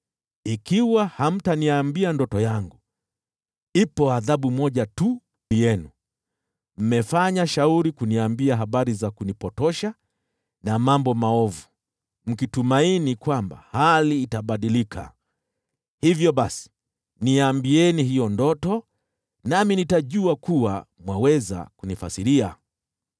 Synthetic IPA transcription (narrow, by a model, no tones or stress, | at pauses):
ikiwaham̩taniambiandɔtɔjaŋɡu | ipɔaðaɓumɔʄatu | nijɛnu | m̩mɛfaɲaʃauɾikuniambiaɦaɓaɾizakunipɔtɔʃa | namambɔmaɔvu | m̩kitumainikwamba̰haliːtaɓaɗilikʰa̰ | hivjɔɓasi̥ | niambiɛniɦijɔndɔtɔ | naminitaʄuakuwamwawɛza̰kunifa̰siɾia̰